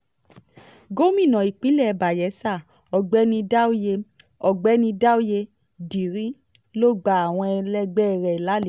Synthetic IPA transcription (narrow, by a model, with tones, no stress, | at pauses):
ɡo˦mĩ˦˨nã˨i˨k͡pi˨˦lɛ˦˨˧ba˨jɛ˨˦sa˦˨ | ɔ˨ɡ͡bɛ˦nĩ˧da˦u˦je˧ | ɔ˨ɡ͡bɛ˦nĩ˧da˦u˦je˧ | di˨ɾĩ˨˦ | lo˦˨ɡ͡ba˨˦a˨w̃ɔ̃˧ɛ˧lɛ˦ɡ͡bɛ˦˧˨ɾɛ˨i˨la˨˦l